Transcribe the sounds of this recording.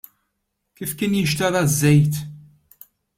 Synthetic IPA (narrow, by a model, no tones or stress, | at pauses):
kifkiːnjɪʃt̪ɐðazːɛjt̪